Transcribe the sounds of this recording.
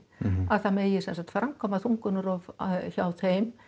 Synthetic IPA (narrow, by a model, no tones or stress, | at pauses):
aðθameːjɪsɛnsat̪fɾaŋkʰɔmaθuŋkʏnʏɾɔvçaːwθejm